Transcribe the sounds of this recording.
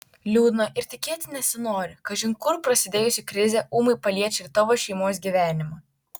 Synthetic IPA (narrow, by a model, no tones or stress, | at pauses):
lʲuːd̪noʔɪɾt̪ʲɪkʲeːt̪ʲnʲɛsʲɪnoːɾʲɪkɐʒʲɪŋkʊɾpɾɐsʲɪd̪ʲeːjʊsʲɪkɾʲɪzʲɛʔuːmɐɪpɐlʲiɛt͡ʃʲɪɾt̪ɐʋoːʃʲɛɪmoːs̬ɡʲiːʋʲæːnʲɪmɐ